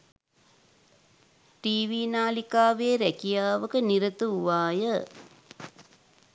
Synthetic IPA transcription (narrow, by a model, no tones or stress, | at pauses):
ʈiːʋiːnaːlikaːʋeːɾækijaːʋəkəniɾət̪uʋaːjə